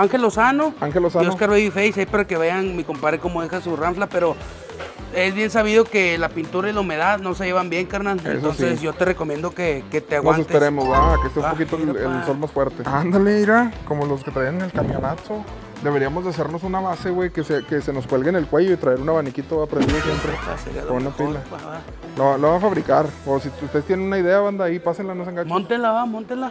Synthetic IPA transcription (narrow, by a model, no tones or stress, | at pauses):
aŋxe̞lo̞sano̞aŋxelosanoskaɾβeβifejsejpaɾake̞βaʝanmeko̞mpaɾeko̞moðexasuramflape̞ɾo̞ | e̞zβje̞ns̬aβiðo̞kelapint̪uɾaelaume̞ðaðno̞seʝeβambje̞ŋkaɾnalḛḛsoonssesʝo̞t̪ereko̞mjẽ̞nd̪o̞keket̪eaɣwansesepeɾemoakest̪eumpokit̪oeelso̞lmasfweɾt̪eand̪aleiɾakomolo̞s̬ket̪ɾaianenelkamjo̞naso | d̪e̞βe̞ɾiamo̞zðeas̬e̞ɾno̞sunaβaseɣweke̞seke̞se̞no̞skwe̞lɣene̞lkwe̞ʝo̞it̪ɾaeɾunaβanikit̪oapɾend̪iðosjempɾḛseounapila̰ | loalaβafaβɾikaɾosiust̪est̪jennunaiðe̞aβand̪aipasenlanos̬eŋɡamont̪enlaamont̪enla